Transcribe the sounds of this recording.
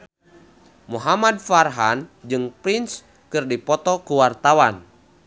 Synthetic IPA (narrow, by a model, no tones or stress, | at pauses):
muɦamad̚farɦand͡ʒɨŋpɾins | kɨrdipɔt̪ɔkuwart̪awan